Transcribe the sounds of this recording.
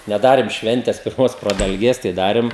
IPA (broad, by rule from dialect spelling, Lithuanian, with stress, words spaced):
nʲɛˈdɑːrʲeːm ˈʃʲʋʲɛnʲtʲɛs pʲɪrˈmoːs prɐdɐlʲˈɡʲeːs tɐɪ ˈdɑːrʲeːm